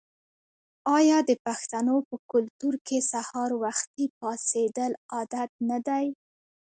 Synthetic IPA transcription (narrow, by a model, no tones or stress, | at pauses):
ɑjɑd̪əpaxt̪anopəkʊlt̪uɾkesahɑɾwaxt̪ip̚ɑsed̪əlɑd̪at̪̚nad̪aj